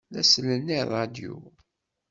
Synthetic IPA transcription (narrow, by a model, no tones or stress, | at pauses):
ðæsələnːiɾˤɑd̪jṵ